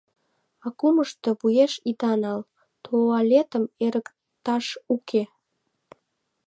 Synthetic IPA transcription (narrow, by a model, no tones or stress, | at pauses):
ɑkuməʃt̪ɤ̆βujeʃid̪ɑnɑl | t̪ʰoɑlʲet̪ə̆meɾək | t̪ɑʃukʰe